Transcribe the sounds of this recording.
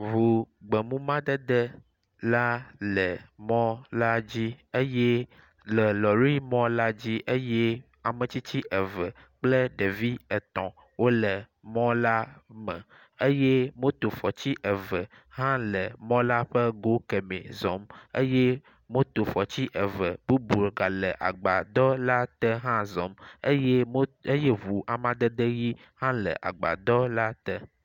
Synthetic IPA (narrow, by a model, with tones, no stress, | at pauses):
βu˨ɡ͡bɛ˨mũ˦mã˦d̪ə˦d̪ɛ˦ | la˦lɛ˨mɔ̃˦la˦d͡ʑi˦e˦je˦ | lɛ˨lɔ˨ɾi˦mɔ̃˦la˦d͡ʑi˦ʔe˦je˦ | a˨mə̃˨t͡ɕi˦t͡ɕi˦ʔɛ˨və˨ | k͡plə˦ɖe˨vi˦ɛ˨t̪ɔ̰̃˨ | wo˦lə˨ | mɔ̃˦la˦mɛ̰̃˨ | e˦jɛ˦mõ˦t̪o˨fɔ˨t͡ɕi˦ʔɛ˨və˨ | ɦã˦lə˨mɔ̃˦la˦ɸə˦ɡo˨˦kɛ˨mḛ̃˨zɔ˨˦mḛ˦je˦ | mõ˦t̪o˨fɔ˨t͡ɕi˦ʔɛ˨və˨bu˦bu˨ɡa˨lə˨ʔa̰˨ɡ͡ba˨d̪ɔ˦la˦t̪ɛ˦ɦã˦zɔ˨me˦je˦e˦je˦vu˨ʔa˨mã˦d̪ə˦d̪e˦ji˦ | hã˦lə̰˨ʔa̰˨ɡ͡ba̰˨d̪ɔ˦la˦t̪ɛ˦